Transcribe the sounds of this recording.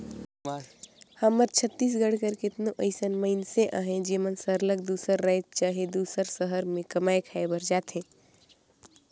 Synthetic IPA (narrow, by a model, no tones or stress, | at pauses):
həməɾt͡ʃʰət̪ːiːs̬ɡəɽ̤kəɾket̪noʔəɪsənməɪnseʔə̰ɦẽd͡ʒemənsəɾləɡ̚d̪uːsəɾːət͡ʃaːɦed̪uːsəɾsəɦəɾmẽkəmaːekʰaebəɾd͡ʒaːt̪ɦẽ